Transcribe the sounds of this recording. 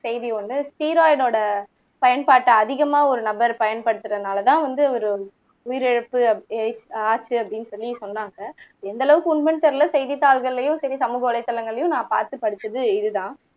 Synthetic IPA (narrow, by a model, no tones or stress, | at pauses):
sɛɪðiʋɐnd̪ɯsʈiːɾoːɪɖoːɽɐ | pɐjɐnpaːʈːɐɐðɪɣɐmaːɔɾɯnɐbɐɾpɐjɐnpɐɽɯt̪ːɯɾɐnaːlɐt̪ãːʋɐnd̪ɯɐʋɐɾɯ | ʊjɪɾɛɻɐpːɯɐeɪt͡ʃaːt͡ʃːɯɐpːɐɽɪnːsɔlːisɔnːaːŋɡɐɛnd̪ɐlɐʋɯkːɯʊɳmɛɳt̪ɐɾɪlɐsɛɪðit̪ːaːlɣɐɭːɐjʊ̃sɛɾisɐmuːɣɐʋɐlɐɪt̪ːɐlɐŋɡɐɭɐjʊ̃nãːpa̰ːɾt̪ɯpːɐɽɯt̪ːɐðɯɪðɯðãː